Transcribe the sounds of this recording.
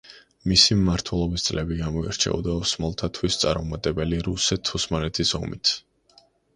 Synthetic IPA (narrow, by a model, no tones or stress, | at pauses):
misimːaɾt̪ʰwɛlˠɔbist̪sʼlɛbiɡamɔḭɾt͡ʃʰɛ̰ɔ̰d̪aɔsmalˠt̪ʰat̪ʰwist̪sʼa̰ɾmɔmat̪ʼɛbɛliɾusɛt̪ʰusmalɛt̪ʰisɔmḭt̪ʰ